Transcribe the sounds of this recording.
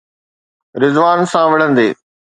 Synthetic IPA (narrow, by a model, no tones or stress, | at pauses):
ɾɪzʋaːnsãʋɪɽ̤ə̃nd̪eː